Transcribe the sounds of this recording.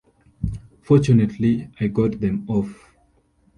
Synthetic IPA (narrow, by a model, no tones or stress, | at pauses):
fɔt͡ʃunətʰliajɡɔt̚ðɛ̃mɔf